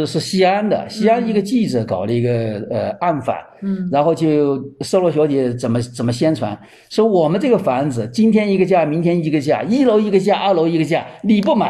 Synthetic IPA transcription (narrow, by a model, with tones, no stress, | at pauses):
ʂɻ̩˥˩ɕi˥a˥nd̪ə̰˨ɕi˥a˥ni˧˥ɡə˧t͡ɕi˥˩ʈ͡ʂ̩˨˩kɑ˨˩ʊlə˦i˧˥ɡə˧ə˧a˥˩nfa̰˨˩˦nɻa˧˥nxo˥˧ʊt͡ɕjo˥˧ʂɤ˥˧lwɔ˥˩ɕjɑ˧˥ʊt͡ɕjɛ˧˥t͡sə˨˩nmə˦t͡sə˨˩mə˦ɕjɛ˥nʈ͡ʂʰwa̰˧˥n | swɔ˧˥˩wɔ˨˩mə˦nʈ͡ʂɤ˥˩ɡə˩fa˧˥nd͡zɹ̩˨t͡ɕi˥nt̪ʰjɛ˥ni˧˥ɡə˧t͡ɕja˥˩mi˧˥ŋt̪ʰjɛ˥ni˧˥ɡə˧t͡ɕja̰˥˩i˥lo˧˥ʊi˧˥ɡə˧t͡ɕja˥˧ʔa˥˩lo˧˥ʊi˧˥ɡə˧t͡ɕja˥˩li˨˩pu˥˩ma̰˨˦